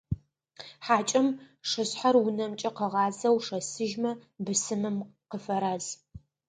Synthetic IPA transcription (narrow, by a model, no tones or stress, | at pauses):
ħaːt͡ʃʼɐm | ʂɨɕħarʊnɐmt͡ʃʼɐqəʁɑːzɐwʂɐsɨʒmɐbɨsɨmɨmqəfɐɾaːz